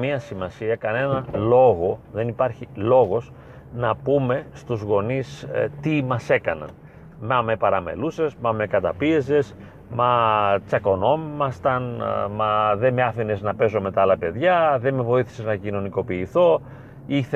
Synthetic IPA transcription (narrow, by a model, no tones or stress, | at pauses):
miɐsimɐsiɐkɐne̞nɐlo̞ɣo̞ðe̞nipɐɾçilo̞ɣo̞s | nɐpume̞st̪uzɣo̞nist̪imɐse̞kɐnɐ̰n | mɐmepɐɾɐme̞̰luse̞zmɐmekɐt̪ɐpie̞ze̞z | mɐt͡sɐko̞no̞mːɐst̪ɐnmɐðemeɐfine̞znɐpe̞zo̞me̞t̪ɐɐlɐpe̞ðʝɐðeme̞vo̞iθi̥seznɐcino̞niko̞piːθo̞ | iθ